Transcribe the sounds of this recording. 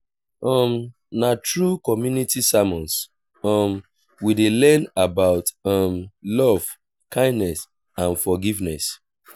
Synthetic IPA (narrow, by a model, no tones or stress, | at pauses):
ɔm | natɹukɔmjunitisamɔ̃ns | ɔm | widelɛ̃nabaʊtɔmlɔv̥ | kʰãɪ̃ndnɛs | ãnfɔɡivnɛs